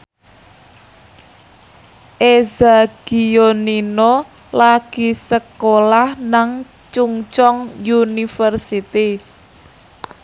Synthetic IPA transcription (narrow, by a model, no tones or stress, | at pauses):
ʔezaɡ̥ionino | laɡ̥i̤səkolahnaŋ | t͡ʃuŋt͡ʃɔŋjunifərsit̪i